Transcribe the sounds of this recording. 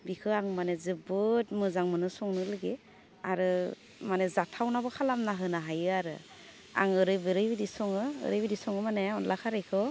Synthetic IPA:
bikʰɯaŋmanezɯbɯt̚mɯzaŋmɯnɯsɔŋnɯlɯɡe | aɾɯ | manezatʰawnabɔkʰalamnaɦɯnaɦajɯaɾɯ̰ | a̰ŋɯɾɯjbɯɾɯjbidisɔŋɯ̰ːɾɯjbidisɔŋɯmaneɔnlakʰaɾɯjkʰɯ

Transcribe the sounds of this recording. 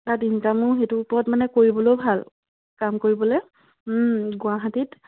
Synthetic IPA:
taɹdintamʊɹxetʊupɔɹɔtmanɛkoɹibɔlowbʱal | kamkoɹibɔloj | ɡʊaɦatit

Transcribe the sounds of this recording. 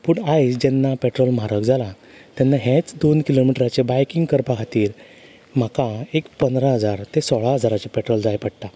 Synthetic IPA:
puːɳajd͡ʑɛnːapeʈɾɔlm̤aɾəkd͡zʱala | t̪jɛnːaɦẽt͡sd̪onkilomiʈɾat͡ɕebajkiŋɡkəɾpakʰat̪iːɾ | m̤akaekpənd̪ɾaɦəd͡zaɾt̪esɔɭaɦəd͡zaɾat͡ɕapɛʈɾɔld͡zajpəɽʈ̪a

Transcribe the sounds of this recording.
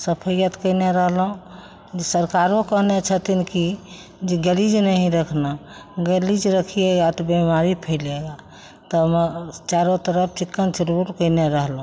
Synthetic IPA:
səpʰəjət̪kəɪneɾəɦlɦũ | d͡ʒesəɾkaɾokəɦnet͡ʃʰət̪inki | d͡ʒɡelid͡ʒnəɦĩɾəkʰnaɡelid͡ʒɾəkʰieɡat̪bimaɾipʰəɪleɡa | t̪ɔmɛt͡ʃaɾot̪əɾəpʰt͡ʃikːənt͡ʃʰilbuʈkəɪneɾəɦlɦũ

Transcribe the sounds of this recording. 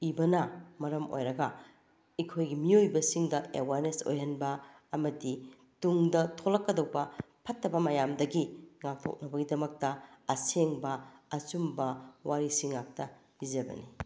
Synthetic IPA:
ibɐnɐmɐɾɐmo̰jɾɐɡɐ | ikʰojɡimiojbɐsiŋdɐḛwaɾneso̰jɦɐnbɐ | ɐmɐdi | tuŋdɐtʰolɐkːɐdɐwbɐ | pʰɐtːɐbɐmɐjamdɐɡiŋak̚tʰo̰k̚nɐbɐɡidɐmɐk̚tɐɐseŋbɐɐt͡ʃumbɐwaɾisiŋːak̚tɐ | b̥id͡ʒɐbɐ̰ni

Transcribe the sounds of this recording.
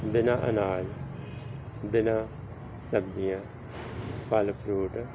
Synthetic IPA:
bɪnãːʔə̰naːl | bɪnãː | səbd͡ʒijãː | pʰəlpʰɾuːʈ

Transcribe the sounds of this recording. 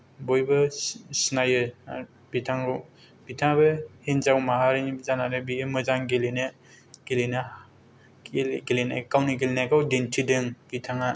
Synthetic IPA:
bojbɯsnajɯ | b̥itʰaŋɾo | b̥itʰaŋbɯhenzawmaɦaɾɯnibzanaɾɯbiemɯzaŋɡelenɯ | ɡ̥elina | ɡelenakawnɯɡelinaɡawdentʰidɯŋb̥itʰaŋa

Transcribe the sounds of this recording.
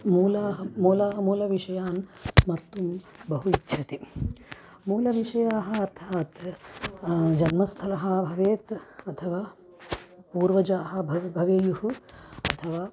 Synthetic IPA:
muːlaːɦɐmuːlaːɦɐmuːlɐʋiʂɐjaːnsmɐɾt̪um | bɐɦuitːʃʰɐt̪i | muːlɐʋiʂɐjaːɦɐ̆ɐɾt̪ʰaːt̪ | d͡ʒɐnmɐst̪ʰɐlɐɦɐbʱɐʋeːt̪ɐt̪ʰɐʋaː | puːɾʋɐd͡ʒaːɦɐ̆bʱɐʋbʱɐʋeːjuɦuɐt̪ʰɐʋaː

